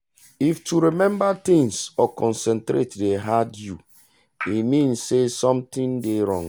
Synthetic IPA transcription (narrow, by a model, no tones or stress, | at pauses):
iftuɾimɛ̃mbat̪ĩŋsɔkɔ̃nsɛ̃ntɾetdeɦadjṵ | imĩnsesɔ̃mt̪ĩndeɾɔ̰̃ŋ